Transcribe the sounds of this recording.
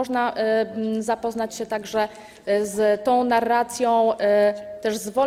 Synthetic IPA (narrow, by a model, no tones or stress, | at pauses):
ɔʐnaʔzapɔznat͡ɕɕɛt̪aɡʐɛ | zt̪ɔ̃w̃naɾːat̪sʲjɔ̃w̃ | t̪ɛʐzvɔ